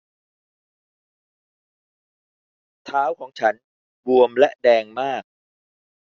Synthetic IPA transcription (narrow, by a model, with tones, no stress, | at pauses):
t̪ʰaː˦˥wkʰɔː˩˦ŋt͡ɕʰa˦˥n | bu˧əmlɛ˦˥ʔdɛː˧ŋmaː˥˩k̚